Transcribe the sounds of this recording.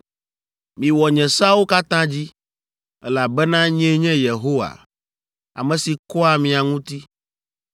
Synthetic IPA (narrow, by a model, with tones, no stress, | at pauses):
mĩ˨wɔ˨ɲɛ̃˨sa˦wo˦ka˦t̪ã˦d͡ʑi˦ | ɛ˦la˨bɛ˦nã˦ɲɛ̃˦ɲɛ̃˦je˨ɦo˦wa̰˨ | a̰˨mɛ̃˨si˨kɔ˦a˨mĩ˨a˨ŋũ˦t̪i˦